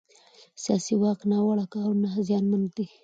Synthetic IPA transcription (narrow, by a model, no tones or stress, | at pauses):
sijɑsiwɑqnawaɽakawnazjɑnman̚d̪i